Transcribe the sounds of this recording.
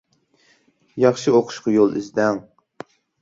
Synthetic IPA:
jɑχʃɨoqʰʊ̥ʃqɑjolˠɪ̰zd̪ɛŋ

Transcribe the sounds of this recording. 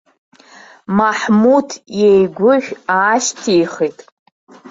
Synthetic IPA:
maħmudʰjejɡʷʊħʷᶣaːʃtʰijχitʼ

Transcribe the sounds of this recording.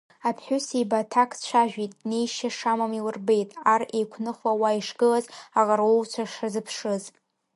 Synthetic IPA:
apʰħʷʊsejbatʰakʰt͡ʃʷʰaʒᶣʷitʼne̞jʃaʂamamiwɨrbe̞jtʼarejkʷʰnɨχawaiʂɡɨlazaʁaɾowt͡ʃʷʰaʂrazɨpʰʂɨz

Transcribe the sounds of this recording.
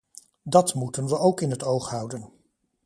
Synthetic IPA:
dɑtmutənʋəʔowkɪnɦətowχɦʌwdən

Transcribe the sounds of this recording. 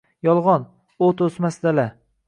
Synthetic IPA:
jɒlˠʁɒn | ot̪ʰosmasd̪ala

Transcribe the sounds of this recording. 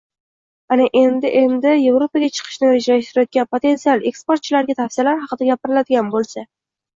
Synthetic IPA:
anɪʔe̞nd̪ɪʔe̞nd̪ɪje̞vɾopaɡʲat͡ʃʰɨ̥qʰɨ̥ʃnɪɾed͡ʒalaʃt̪ɪɾɪjot̪̚ɡʲanpʰot̪ʰe̞nt̪sijalˠe̞kspoɾt̪̚t͡ʃʰɪlaɾɡʲat̪ʰafsɪlaɾɦɑqɨd̪aɡʲapʰɪɾɪlad̪ɪɡʲanbolˠsa

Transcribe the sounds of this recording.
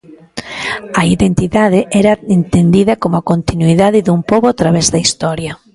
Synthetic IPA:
ɐiðent̪iðaðɪʔɛɾɐent̪end̪iðɐkomʊakont̪inuiðaðɪðumpoβoat̪ɾaβɛzðɐist̪ɔɾjɐ

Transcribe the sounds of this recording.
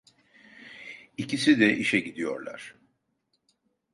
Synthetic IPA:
icisid̪ɛʔiʃɛɟid̪ijo̞̰ɾlˠa̰ɾ̥

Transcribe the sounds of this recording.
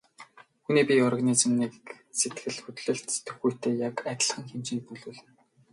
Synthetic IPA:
xuniːpʲiɔrʁaniːt͡sɘ̆mniːk | set̪ɡɘ̆ɮxɵt̪ɮɵ̆ɬt̪t̪ɵ̥̆xujʰt̪ʰeːjakæt̪ʲə̆ɮχə̆ŋxemt͡ɕiːpuɮuːɮɘ̆n

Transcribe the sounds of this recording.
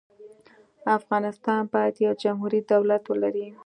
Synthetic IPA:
afɣɑnɪst̪ɑnbɑjt̪jawd͡ʒamɦuɾid̪awlat̪wəlaɾi

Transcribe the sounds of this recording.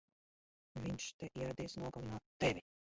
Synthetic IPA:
vʲiɲʃt̪ɛʔiɛɾad̪iːsnuɔɡalˠinuɔt̪ːɛvʲi

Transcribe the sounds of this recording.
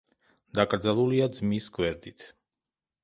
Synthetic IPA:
d̪̥akʼɾd̪zalˠuliad̪zmisɡwɛɾd̪it̪ʰ

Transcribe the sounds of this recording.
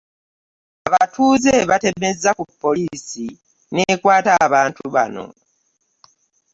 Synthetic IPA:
aβatuːze̞βate̞me̞zːakupːo̞liːsi | neːkwaːtaβaːntuβa̰no̞̰

